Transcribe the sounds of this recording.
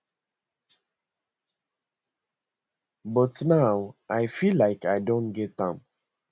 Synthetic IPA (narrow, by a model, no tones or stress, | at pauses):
bɔtnaʊʔaɪfilaɪkaɪdõnɡɛtːãm